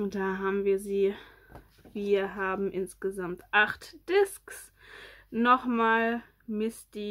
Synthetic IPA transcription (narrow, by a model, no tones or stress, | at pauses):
d̥aːɦaːbm̩viːɐziː | viːɐɦaːbm̩ʔɪnsɡ̥əzamtʔaχtd̥ɪsks | nɔχmaːl | mɪstiː